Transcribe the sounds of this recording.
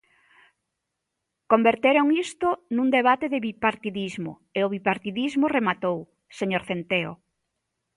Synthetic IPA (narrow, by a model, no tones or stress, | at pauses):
kombeɾt̪eɾoŋist̪ʊnũŋd̪eβ̞at̪eðɪβipaɾt̪iðizmo̰ | eʊβipaɾt̪iðizmʊremat̪ow | seɲoɾθent̪eo̰